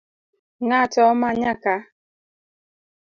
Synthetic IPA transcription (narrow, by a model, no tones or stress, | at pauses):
ŋatɔmaɲaka